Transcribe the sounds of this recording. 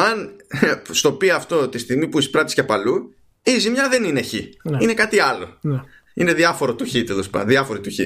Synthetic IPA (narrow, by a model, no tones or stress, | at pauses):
ɐn | st̪o̞piɐːft̪o̞t̪ist̪iɣmipuispɾɐt̪i̥scɐpɐlu | izimɲɐðe̞nineçinine̞kɐt̪iɐlo̞n | ine̞ðiɐfo̞ɾot̪uçit̪elo̞spɐ̰nðiɐfo̞ɾit̪uçi